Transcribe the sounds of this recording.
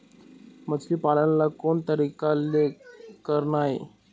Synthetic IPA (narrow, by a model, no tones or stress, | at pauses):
mət͡sliːpalanlakoɳt̪əɾikalːekəɾnaɦi